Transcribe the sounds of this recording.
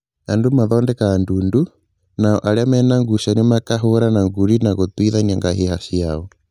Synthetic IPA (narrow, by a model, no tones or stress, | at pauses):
andumaðɔndɛkaːndundu | naɔʔaɾeamɛnaŋɡuʃanemakaɦoɾanaŋɡuɾinaɣot̪wiðaniaŋɡahehaʃiaɔ